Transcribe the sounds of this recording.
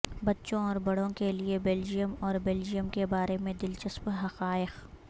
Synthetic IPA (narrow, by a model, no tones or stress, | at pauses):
bɐtːʃõɔːɾbɐɽõkeliebeːld͡ʒijəmɔːɾbeːld͡ʒijəmkebaːɾemẽd̪ɪlt͡ʃəspɦɐqaːɪq